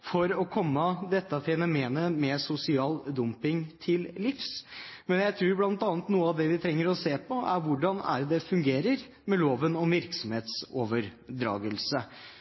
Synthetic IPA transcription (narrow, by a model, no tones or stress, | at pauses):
fɔɾɔkʰɔmːəd̪ɛt̪ːəfɛnʊmeːnəmɛsʊsɪɑːld̪ʊmpɪŋt̪ʰɪllɪfsmɛnjæɪt̪ʰɾʉːɾblɑnt̪ɑnət̪nuːəɑʋd̪ɛʋɪt̪ʰɾɛŋːəɾɔseːpʰɔʔæ̰ɾʋʊɖɑnæ̰ɾd̪ɛfʉŋɡeːɾəɾ | mɛloːʋənɔmʋɪɾksɔmheːt̪soːʋəɾɖ̪ɾɑ̰ːɡəlsə